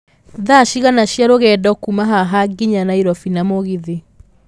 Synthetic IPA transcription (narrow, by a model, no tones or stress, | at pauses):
ðaʃiɣanaɕjaɾoɣɛːdɔkumaɦaɦaɡiɲanaiɾɔfinamoɣiðe